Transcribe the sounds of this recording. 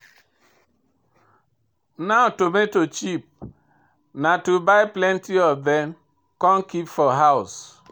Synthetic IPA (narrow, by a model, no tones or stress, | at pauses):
naʊtometot͡ʃip̚ | natubaɪplɛntiɔvðɛm | kɔ̃nkipfɔɦaʊs